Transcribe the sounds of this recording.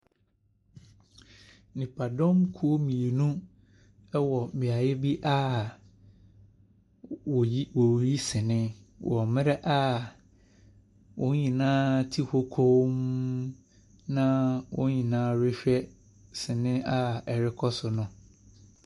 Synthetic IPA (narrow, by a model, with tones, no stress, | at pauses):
nɪ̃˨pʰa˨dɔ̃˦mkʰu˦o˦mĩ˨e˨nũ˦ | ɛ˦wɔ˨mbɪ̃˨a˨jɪ˦bi˦ʔa˦˨˦ | wo˨ji˦sɪ̃˨nɪ̃˦wʔɔ˨mɪ̃˦ɾɛ˦ʔa˦ | wʊ̃˦ɲĩ˨nãː˦tʰi˦ho˦kʰo˦m | nã˦wʊ̰̃˦ɲĩ˨nãː˦ɾɪ˦ɕᶣɛ˦ | sɪ̃˨nɪ̃˦a˦ɛ˨ɾɪ˦kʰɔ˦sʊ˨nʊ̃˦